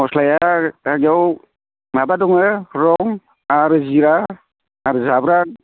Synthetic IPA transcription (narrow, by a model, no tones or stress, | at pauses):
ɔslajaaɡaw | mabadɔŋɯɾɔŋ | aɾɯziɾa | aɾɯzabɾa